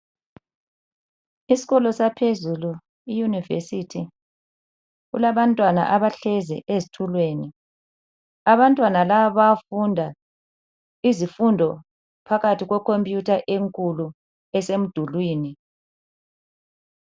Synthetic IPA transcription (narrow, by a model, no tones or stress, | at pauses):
isi̥ɣɔlɔsapʰezulu | ijunivḛsitʰi | ɣṵlaβantʼwana̰ʔaβaɬɛzɛ̰ʔezitʰulweni | aβantʼwanalaβaβafundʱa | izifundʱɔ | pʰaɣatiɣwɛkʰompʼjutʰaʔeŋkʼulu | ɛsem̩d̥ʱulwiːni